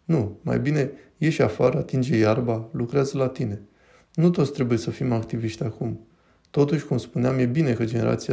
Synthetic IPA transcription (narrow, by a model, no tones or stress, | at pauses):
numa̰jbine̞je̞ʃʲafaɾəat̪ind͡ʒe̞jarbalukɾeazəlat̪ine̞ | nut̪ot̪sʲt̪ɾebuje̞səfimakt̪iviʃt̪ʲakum | t̪o̞t̪uʃʲkumspuneamje̞bine̞kəd͡ʒe̞ne̞ɾʔa̰t̪sia